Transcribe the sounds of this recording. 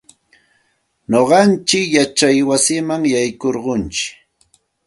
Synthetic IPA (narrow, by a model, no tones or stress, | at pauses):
noɢɑnt͡ʃɪkjat͡ʃajwasɪmaŋjajkoɾɢʊnt͡ʃɪ̥k